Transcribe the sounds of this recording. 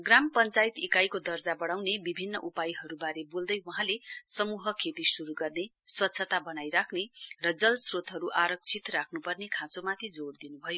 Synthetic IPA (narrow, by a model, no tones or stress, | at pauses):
ɡrampʌnt͡sajt̪ikajkod̪ʌrd͡zabʌɽawnebibʱinːʌ̰ʔupajɦʌɾubaɾebold̪ʌjwɦãlesʌmuɦʌkʰet̪isuɾuɡʌrne | swʌt̪ːsʰʌt̪abʌnajɾakʰnerʌd͡zʌlsrot̪ɦʌɾuʔaɾʌk̚t͡sʰit̪rakʰnupʌrnekʰãt͡somat̪ʰid͡zoɽd̪inubʱʌjo